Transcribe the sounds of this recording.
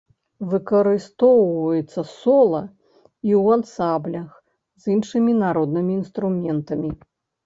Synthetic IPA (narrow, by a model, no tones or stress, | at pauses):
vɨkɐɾɨst̪ɔwvɐjɛt̪sːɐsɔlˠɐ | iwant̪samblʲɐx | zʲinʂɨmʲinaɾɔd̪̚nɨmʲiːnst̪ɾumʲɛnt̪ɐmʲi